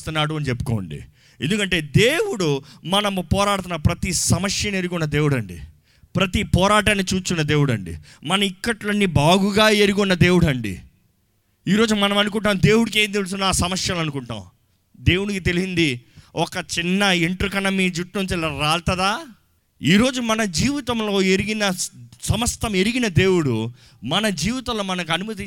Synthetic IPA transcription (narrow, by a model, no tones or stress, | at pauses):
t̪unːaːɽuɐnit͡ʃepːu̥koːɳɖḭ | e̞nd̪ukɐɳʈe̞ːd̪e̞ːwuɽumɐnɐmpɔːɾaːɽt̪̬unːɐpɾɐt̪isɐmɐʂjɐneɾuɡɔnːɐd̪e̞ːwuɽɐɳɖḭ | pɾɐt̪ipɔːɾaːʈaːnikt͡ʃuːt͡ʃunːɐd̪e̞ːwuɽɐɳɖḭ | mɐnɐmikːɐʈlɐnːibaːɡuɡaːeɾuɡɔnːɐd̪e̞ːwuɽɐɳɖḭ | iːɾo̞ːd͡ʒumɐnɐmɐnuk̬uɳʈaːmd̪e̞ːwuɽik̬eːnt̪elus̬unaːsɐmɐsjɐlɐnukuɳʈa̰ːw | d̪e̞ːwuɽikit̪e̞lisind̪iɔkɐt͡ʃinːɐiɳʈɾukɐnɐmid͡ʒuʈnunt͡ʃ̪ɛlɐɾaːlt̪ɐd̪aː | iːɾo̞ːd͡ʒumɐnɐd͡ʒiːʋit̪ɐmlo̞ːeɾiɡinɐsɐmɐst̪ɐme̞ɾiɡinɐd̪e̞ːwuɽu | mɐnɐd͡ʒiːʋit̪ɐmloːmɐnɐk̬ɐnumɐt̪̬i